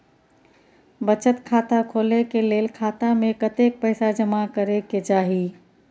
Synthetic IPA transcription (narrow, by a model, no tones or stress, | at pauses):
bət͡ʃət̪kʰat̪akʰolekelelkʰat̪amekət̪ek̚pəɪsad͡ʒəmakəɾeked͡ʒaɦi